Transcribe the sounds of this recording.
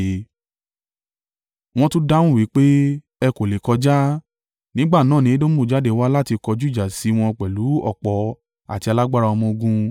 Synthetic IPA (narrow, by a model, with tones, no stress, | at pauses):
w̃ɔ̃˦tũ˦da˦wũ˦˨wi˨˦k͡pe˦ | ɛ˧ko˨le˨kɔ˧d͡ʒa˦ | nĩ˦ɡ͡ba˦˨nãː˨˦˨nĩ˨˦e˦dõ˦mõ˦˨d͡ʒa˨˦de˨wa˦la˦ti˧kɔ˧d͡ʒu˦˨d͡ʒa˨si˧˦w̃ɔ̃˧k͡pɛ˨lu˨˦ɔ̰˦˨k͡pɔ˨˦ | a̰˨ti˧a˧la˦ɡ͡ba˦ɾa˧ɔ˧mɔ̃˧o˧ɡũ˧